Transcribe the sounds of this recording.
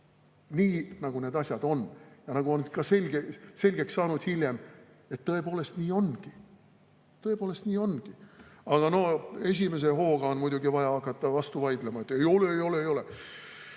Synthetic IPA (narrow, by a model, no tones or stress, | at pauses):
niːnɑɡ̥une̞d̪ɑsʲjɑd̪̥o̞njɑnɑɡ̥uonkɑse̞lʲɡese̞lʲɡ̥e̞ksːɑːnud̪̥hilʲje̞m | e̞t̪ːɤ̞e̞po̞ːle̞st̪niːo̞nɡ̥i | t̪ːɤ̞e̞poːle̞st̪niːo̞nɡ̥iɑɡ̥ɑno̞e̞s̬ʲime̞s̬e̞ɦo̞ːɡ̥ɑo̞nmujd̪uɡivɑjɑɑkːˑɑt̪ːˑɑvɑst̪uvɑjd̪lemɑe̞t̪ːˑe̞jo̞leejo̞leːjo̞le